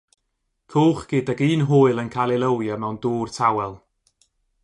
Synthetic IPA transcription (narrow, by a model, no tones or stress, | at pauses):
kʰuːχɡ̥ɪdaɡiːnɦʊːɨlˠənkʰalˠɪlˠəwjamɛwnduːrtʰawɛlˠ